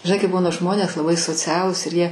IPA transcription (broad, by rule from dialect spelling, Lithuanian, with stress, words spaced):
ʒʲɪˈnɐɪ kɐɪ ˈbuːnɐ ʒmoːnʲeːs lˠɐˈbɐɪ soːˈt͡sʲæːlˠuːs ɪr jiɛ